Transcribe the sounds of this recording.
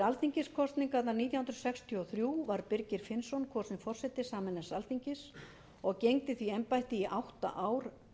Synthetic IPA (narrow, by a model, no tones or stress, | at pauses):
alθiɲcɪskʰɔst̪niŋkat̪naɾniːt̪jahʏnɾsɛkst̪ʰjɔθɾjuːvaɾpɪɾcɪɾ̥fɪnsɔnkʰɔst̪nɪŋfɔrsɛt̪ɪsaːmɛnɛsaltθiɲcɪs | ɔɣcejŋt̪ɪθviɛmpajht̪ɪiʔawht̪a̰ʔaːwɾ̥